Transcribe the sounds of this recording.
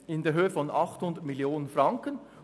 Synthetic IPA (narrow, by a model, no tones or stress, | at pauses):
ɪndeːɐɦøːəfɔnɑχthʊndətmɪljoːnənfʁɑŋkən